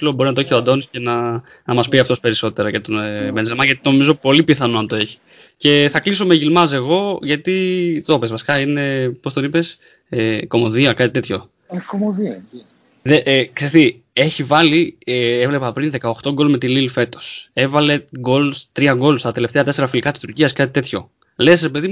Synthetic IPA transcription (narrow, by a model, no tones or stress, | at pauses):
ilobo̞ɾinɐt̪oeçioɐd̪o̞nisce̞nɐ | nmɐspiɐft̪o̞spe̞ɾiso̞t̪e̞ɾɐcet̪obenzelmɐʝɐt̪it̪oo̞mizo̞po̞lipiθɐno̞ɐnt̪o̞e̞çi̥ | ce̞θɐkliso̞meʝilmɐse̞ɣo̞ʝɐt̪it̪o̞pezvɐsi̥kɐine̞po̞st̪onipe̞s | eko̞mo̞ðiɐkɐt̪it̪e̞t̪ço̞ | komoði | ðeʔksest̪i | e̞çivɐlievle̞pɐpɾinðe̞kɐoxt̪o̞ɡo̞lmet̪ililfe̞t̪o̞̥se̞vɐle̞ɡo̞lust̪ɾiɐɡo̞lust̪ɐt̪e̞le̞ft̪e̞ɐt̪e̞se̞ɾɐfilikɐt̪i̥st̪uɾciɐskɐt̪i̥t̪e̞t̪ço̞ | le̞sɾe̞peðimu